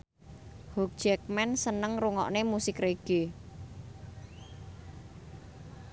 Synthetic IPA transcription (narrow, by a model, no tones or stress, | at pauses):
hɔk̚d̥ʒ̥ɛk̚mɛnsənəŋruŋɔ̰ʔnemusɪkreɡ̥e